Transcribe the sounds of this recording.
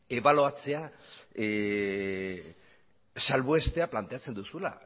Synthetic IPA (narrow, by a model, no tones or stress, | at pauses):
e̞βaloat͡se̞a | salβoe̞st̪e̞aplant̪e̞at͡se̞nd̪usula̰